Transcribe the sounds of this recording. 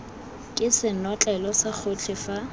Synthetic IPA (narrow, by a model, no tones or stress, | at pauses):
kʼɪsɪnɔt͡ɬʼɛlɔsak͡xʰot͡ɬʰɪfa